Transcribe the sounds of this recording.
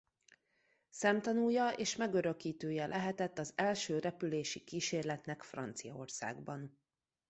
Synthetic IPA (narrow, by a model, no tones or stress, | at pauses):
sɛmt̪ɒnujːɒʔeːʃmɛɡøɾø̞kiːt̪øːjɛlʔɛɦɛt̪ɛt̪ːɒzɛlʃøːɾɛpyleːʃikiːʃeːrlɛt̪nɛkfrɒ̰nt̪sijɒo̰rsa̰ːɡbɒn